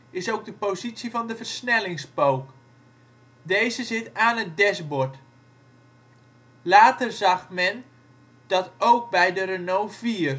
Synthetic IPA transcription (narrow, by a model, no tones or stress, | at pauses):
ɪsowɡ̚dəpozitsivɑndəvərsnɛlɪŋspowk | dejzəzɪtaːnət̚dɛsbɔt | laːtərzɑxmɛn | d̥ɑtowk̚bɛjdəɾənowviːər